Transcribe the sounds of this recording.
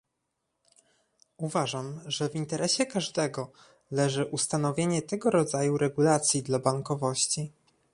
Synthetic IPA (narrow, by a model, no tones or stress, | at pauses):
uvaʐamʐɛvint̪ɛɾʔɛɕɛkaʐd̪ɛɡɔ | lɛʐɘʔust̪anɔvʲjeɲɛt̪ɛɡɔɾɔd̪zajuɾɛɡulat̪sʲjid̪labaŋkɔvɔɕt͡ɕi